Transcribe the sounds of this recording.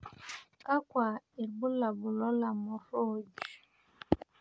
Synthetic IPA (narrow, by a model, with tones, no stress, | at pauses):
ka˦kwa˨i˨ɾbu˦la˨bu˨lɔ˦la˨mɔ˨ɾo˦d͡ʒu˨